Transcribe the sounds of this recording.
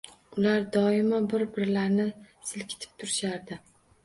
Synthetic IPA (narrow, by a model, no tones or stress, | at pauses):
ʊlaɾd̪ɒɪmabɪɾbɪɾlaɾnɪsɪlkʲʰɪ̥t̪ʰɪ̥p̚t̪ʰʊɾɪʃaɾd̪ɪ